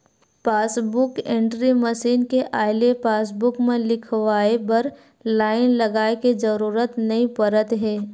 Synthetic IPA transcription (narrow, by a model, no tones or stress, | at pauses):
paːsbʊkẽːɳʈɾiməʃiːnkeʔaːɪlepaːs̬bʊkmẽlɪkʰʋaːebɐɾ | laːɪnlɐɡaːekezɐɾuːɾət̪nɐɦĩpɐɾət̪ɦɛː